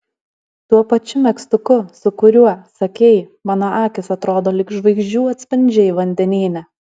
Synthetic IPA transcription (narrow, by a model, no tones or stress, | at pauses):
t̪uɔpɐt͡ʃʲʊmʲɛkst̪ʊkʊsʊkʊɾʲuɔsɐkʲɛɪ | mɑːnɐʔɑːkʲɪsɐt̪ɾoːd̪oːlʲɪkʒʋɐɪɡʒʲd͡ʒʲuːɐt̪ʲsʲpʲɪnʲd͡ʒʲɛɪʋɐnʲd̪ʲɛnʲiːnʲɛ